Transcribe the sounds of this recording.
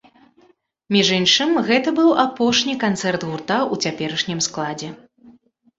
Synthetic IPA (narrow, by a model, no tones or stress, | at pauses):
mʲiʐɨnʂɨmɣɛt̪ɐbɨwapɔʂnʲikant̪sɛrt̪ɣurt̪aut͡sʲapʲɛɾɐʂnʲimsklˠad͡zʲɛ